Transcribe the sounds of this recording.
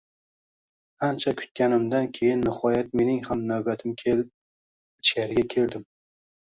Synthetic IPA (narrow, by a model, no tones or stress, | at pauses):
ant͡ʃʰakʰʊ̥t̪̚kʲanɪmd̪ankʲʰe̞jɪnːɪhɒjat̪me̞nɪŋhamnawbat̪ʰɪmkʲʰelɪp̚ | ɪt͡ʃkʲaɾɪɡʲakʲʰe̞ɾd̪ɪm